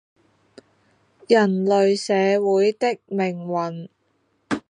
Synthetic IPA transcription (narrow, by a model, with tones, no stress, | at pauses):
jɐ˨˩nlɵ˨ɥsɛː˨˧wuː˨˥jt̪ɪ˥k̚mɪ˨˩ŋwɐ˨˩n